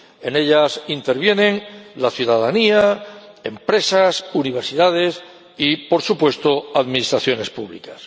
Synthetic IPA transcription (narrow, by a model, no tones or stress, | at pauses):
e̞ne̞ʎasint̪e̞ɾβje̞nẽ̞ŋlaθjuðaðaniae̞mpɾe̞sasuniβ̞e̞ɾsiðað̞e̞s | ipo̞ɾsupwe̞st̪oaðmĩnist̪ɾaθjo̞ne̞spuβlḭkas